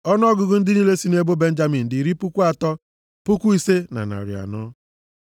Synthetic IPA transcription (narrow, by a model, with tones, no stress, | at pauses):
ɔ˦n˦ɔ˦ɡʊ˨ɡʊ˦n̩˦dɪ˦ni˦le˦si˦ne˦bo˦be˦n̩˦d͡ʒa˦mi˨n̩˨dɪ˨ɾi˦pʊ˦kʷu˦a˨tɔ˦ | pʊ˦kʷu˦i˦se˦na̰˨na̰˨ɾḭ˨a̰˨nɔ˦